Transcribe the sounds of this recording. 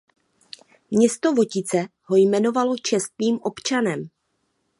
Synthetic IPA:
mɲɛst̪o̞vo̞cɪt͡sɛɦo̞jmɛno̞valo̞t͡ʃɛst̪viːmʔo̞pt͡ʃanɛm

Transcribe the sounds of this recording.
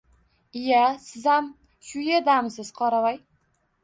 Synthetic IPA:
ɪjasɪzam | ʃʊjed̪amsɪz̥qʰɒɾavaj

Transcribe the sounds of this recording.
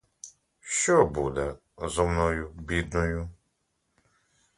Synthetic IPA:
ʃɔbud̪ɛ | zɔmnɔjubid̪nɔju

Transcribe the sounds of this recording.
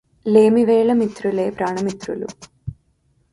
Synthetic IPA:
leːmiʋeːɭɐmit̪ɾuleːpɾaːɳɐmit̪ɾulṵ

